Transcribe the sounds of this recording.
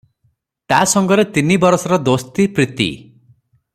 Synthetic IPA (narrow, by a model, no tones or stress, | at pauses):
t̪asɔŋɡɔɾet̪inibɔɾɔsɔɾɔd̪ost̪ipɾit̪ḭ